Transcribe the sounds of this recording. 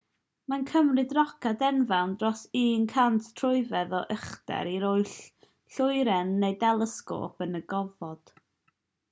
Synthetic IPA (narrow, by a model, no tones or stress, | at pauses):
mankʰəmrɨdrɔkʰadɛnvawndrɔsiːnkʰantʰtʰrʊɨvɛðɔʔəχdɛ̰ɾiɾʊɨɬ | ɬʊɨɾɛnːejdɛlˠəsko̰ːpʰənəɡɔvɔd̥